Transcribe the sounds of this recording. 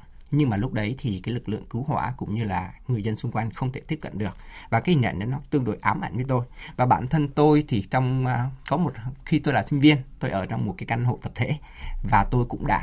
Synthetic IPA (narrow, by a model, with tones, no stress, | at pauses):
ɲɨ˧ŋmaː˨˩lʊ˦˥k͡p̚ɗə˨˦jt̪ʰi˨˩kaː˨˦jlɨ˨˩k̚lɨ̰˧˨əŋkɨ˨˦wɦwa̰ː˧˩kʊ̰˧˥ŋ͡mɲɨ˧laː˨˩ŋɨ˨˩əzə˧nsʊ˧ŋ͡mkwa˧jŋ̟xə˧wŋ͡mt̪ʰe˧˩t̪i˦˥əp̚kə̰˧˨nɗɨ˨˩ək̚vaː˨˩kaː˨˦hi˨˩ŋɲə̰˧˨ŋʔə˨˦nɔ˨˦t̪ɨ˧əŋɗo̰˧˩jʔaː˨˦mʔa̰˧˩jŋ̟və˨˦jt̪o˧jvaː˨˩ɓa̰ː˧˩nt̪ʰə˧nt̪o˧jt̪ʰi˨˩t͡ɕɔ˧wŋ͡mkɔ˨˦mo˨˩t̚xi˧t̪o˧jlaː˨˩sï˧ŋ̟vi˧ənt̪o˧jʔəː˧˩t͡ɕɔ˧wŋ͡mm˨˩t̚kaː˨˦jʔa˧jŋ̟ɦo̰˧˨t̪ə˨˩p̚t̪ʰḛ˧˥ | vaː˨˩t̪o˧jkʊ̰˧˥ŋ͡mɗa̰ː˧˥